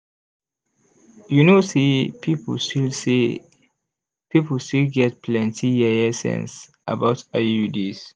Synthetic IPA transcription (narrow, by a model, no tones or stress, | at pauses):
junosipipstilsi | pipəlstilɡɛt̚pʰlɛ̃ntʰijɛɛsɛ̰̃ns | ʔa̰baʊtajudis